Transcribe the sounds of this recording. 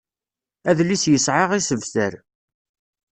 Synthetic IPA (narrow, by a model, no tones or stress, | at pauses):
æðlːisjəsʕɪʁisəvθəɾ